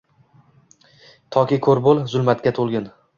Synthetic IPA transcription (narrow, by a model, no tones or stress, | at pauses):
t̪ʰɒkʲikʰoɾbolˠzʊlmat̪kʲat̪ʰolˠɡʲɪn